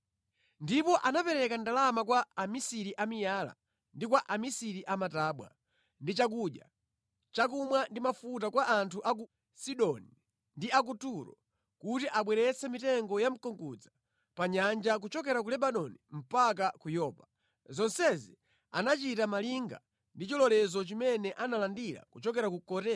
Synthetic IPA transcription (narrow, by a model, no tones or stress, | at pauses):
ndipɔʔanapɛɾɛkandalamakwaːmisiɾiʔamijaːla̰ | ndikwaʔamisiɾiʔamataːɓwa̰ | ndit͡ʃakuɗja̰ | t͡ʃak̬umwandimafutakwaʔantʰuʔak̬u | siɗɔni | ndiak̬utuɾɔ̰ | kutiʔaɓwɛɾɛt͡sɛmitɛŋɡɔjam̩kɔŋkud͡za | paɲand͡ʒak̬ut͡ʃɔk̬ɛɾak̬ulɛɓanɔnim̩pak̬akujɔːpa | zɔnsɛzi | a̰nat͡ʃitamaliŋɡa̰ | ndit͡ʃɔlɔlɛzɔt͡ʃimɛnɛʔanalandiɾa̰kut͡ʃɔk̬ɛɾakukɔtɛ